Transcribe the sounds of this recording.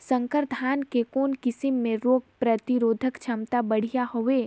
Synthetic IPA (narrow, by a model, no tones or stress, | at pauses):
sə̃ŋkəɾd̪ʱaːnkekoːnkɪsɪmːẽɾoːɡ̚pɾɐt̪iɾoːd̪ʱəkt͡ʃʰɐmt̪abɐɽ̤ijaɦoʋe